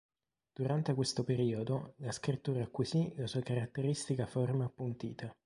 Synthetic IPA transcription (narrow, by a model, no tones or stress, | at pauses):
d̪̥uɾant̪ekwest̪opeɾiːod̪olaskɾit̪ːuːɾakːwisilasuːakaɾat̪ːeɾist̪ikaformaːpːunt̪ḭːt̪ʰa